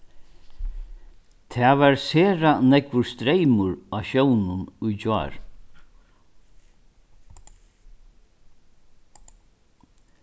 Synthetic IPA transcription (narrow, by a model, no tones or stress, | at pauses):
t̪ʰɛaːʋaɾseːɾanɛkʋʊɾst̪ɾejmʊɹaːʃownʊnʊjd͡ʑa̰ːɹ